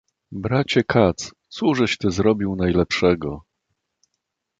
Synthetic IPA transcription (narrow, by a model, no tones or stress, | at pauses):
bɾat͡ɕɛkʰat̪st̪suʐɛɕt̪ɘzɾɔbʲiwnajlɛpʂɛɡɔ